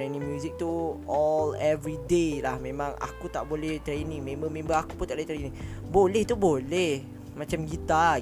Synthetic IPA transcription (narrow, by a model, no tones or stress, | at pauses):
enĩŋmjũzik̚t̪uɔlɛvɾidelahmẽmãŋa̰kut̪aʔbolɛht̪ɾenĩŋmẽmbəmẽmbəakut̪aʔblet̪ɾenĩŋ | bolɛht̪ubolɛh | mãt͡ʃamɡit̪a